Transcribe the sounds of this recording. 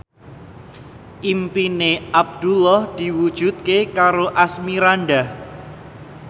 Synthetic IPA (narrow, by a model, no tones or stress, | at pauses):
ʔimpineʔab̚d̪̥ulɔhd̪̥i̤wud̥ʒ̥ṳt̪̚kekaɾoʔasmiɾanɖah